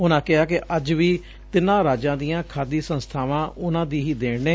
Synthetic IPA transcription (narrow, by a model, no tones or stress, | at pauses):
ʊnãːkɪɦaːkɪʔəd͡ʒʋiː | t̪ɪnãːɾaːd͡ʒãːd̪ɪjãːkʰaːd̪iːsə̃nst̪ʰaːʋãːʊnãːd̪iːɦiːd̪eːɽneː